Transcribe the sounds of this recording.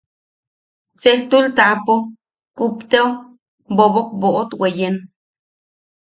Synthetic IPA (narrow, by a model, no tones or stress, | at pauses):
seht̪ult̪apo | kupt̪eo | bobok̚boʔot̪wejen